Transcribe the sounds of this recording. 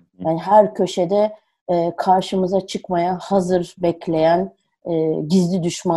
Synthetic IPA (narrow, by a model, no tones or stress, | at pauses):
jaːniɦæɾcʰø̞ʃed̪ɛː | kʰaɾʃɯmɯzat͡ʃʰɯkmajahazɯɾbɛclʲe̞jæn | ɛːɟizlʲid̪yʃma